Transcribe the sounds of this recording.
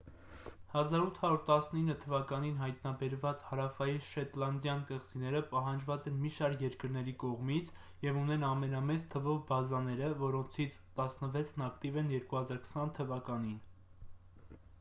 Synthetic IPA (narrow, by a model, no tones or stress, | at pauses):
hɑzɑɾut̪ʰhɑɾuɾt̪ɑsninːət̪ʰəvɑkɑninɦɑjt̪nɑbɛɾvɑt͡shɑɾɑfɑjiʃɛt̪lɑnd̪jɑnkəʁt͡sinɛɾəpɑɦɑnd͡ʒvɑt͡sɛnmiʃɑɾkjɛɾkəɾnɛɾikɔʁmit͡sʰ | jɛvunɛnɑmɛnɑmɛt͡st̪ʰəvɔvbɑzɑnɛɾəvɔɾɔnt͡sʰit͡sʰt̪ɑsnəvɛt͡sʰnɑkt̪ivɛnjɛɾkuhɑzɑɾkʰə̥sɑnt̪ʰəvɑkɑnin